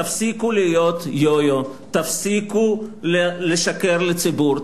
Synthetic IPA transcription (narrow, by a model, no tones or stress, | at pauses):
afsikulijot̪jojot̪afsikulleʃakeʁlet͡sibuɾ